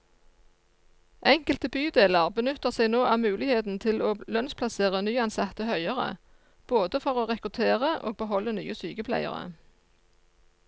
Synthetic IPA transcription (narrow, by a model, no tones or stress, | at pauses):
ʔɛŋkəlt̪əbyːd̪eːləʁbənʉt̪əʁsæɪnoːʔɑːʋmʉːlɪheːt̪n̩t̪ʰɪloːlœnspʰlɑseːʁənyːɑnsɑt̪əhœʏəʁə̰ | b̥oːd̪əfɔʁoːʁɛkʁʉt̪ʰeːʁəʔo̰ːɡ̚bəɦɔlːəny̰ːəsy̰ːɡəpʰlæ̰ɪə̰ʁə̰